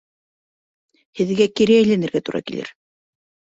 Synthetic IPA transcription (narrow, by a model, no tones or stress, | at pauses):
hɘ̆ðɡækiɾæɘ̆jlænɘ̆ɾɡæt̪uɾɑ̰kilɘ̰ɾ